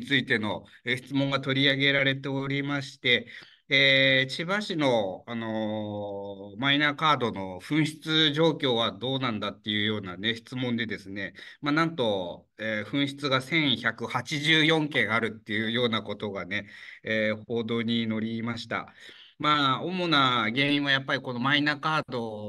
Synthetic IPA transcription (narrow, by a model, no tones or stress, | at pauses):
t͡sɨit̪e̞no̞ | eçi̥t͡sɨmõ̞ŋɡat̪o̞ɾʲiaɡe̞ɾaɾe̞t̪e̞oɾʲimaɕi̥t̪e̞ | eːt͡ɕibaɕino̞ano̞ | mainaːkaːd̪o̞no̞ɸɯ̟̃ɰ̃ɕi̥t͡sɨʑo̞ːkʲo̞ːβad̪o̞ːnãnd̪at̪ːe̞jɯ̟ːjo̞ːnane̞ɕi̥t͡sɨmõnd̪e̞d̪e̞sɨne̞maːnãnt̪o̞ | eɸɯ̟̃ɰ̃ɕi̥t͡sɨɡasẽ̞ɰ̃çakɯ̟hat͡ɕiʑɨːjõ̞ŋkẽ̞ɰ̃aɾɯ̟t̪ːe̞jɯ̟ːjo̞ːnako̞t̪o̞ɡane̞eho̞ːd̪o̞ːɲ̟ino̞ɾʲimaɕi̥t̪a̰ | maːomo̞naɡe̞ːĩɰ̃β̞ajapːaɾʲiko̞no̞mainaːkaːd̪o̞